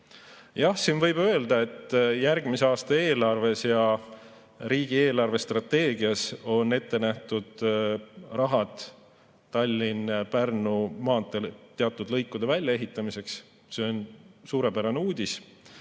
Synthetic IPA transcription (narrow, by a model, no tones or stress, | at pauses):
jɑhsiːnvɤjb̥ø̞e̞ld̪ɑe̞t̪ːˑjærɡ̥miseɑːst̪ɑe̞ːlɑrve̞sjɑ | riːɡ̥ie̞ːlɑrve̞st̪rɑt̪ːe̞ːɡiɑso̞nːe̞t̪ːe̞næht̪ud̪̥ | rɑɦɑt̪ː | ɑlʲːinpærnumɑːt̪ːˑet̪ːe̞ɑt̪ˑːud̪̥lɤjkˑːud̪̥e̞vælʲjɑe̞ɦit̪ˑːɑmise̞ks | se̞o̞nsuːɾe̞pæɾɑneuːd̪̥ʲis